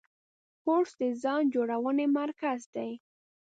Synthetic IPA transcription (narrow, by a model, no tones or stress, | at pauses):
poɾsd̪əzɑnd͡ʒoɽawənemaɾkazd̪aj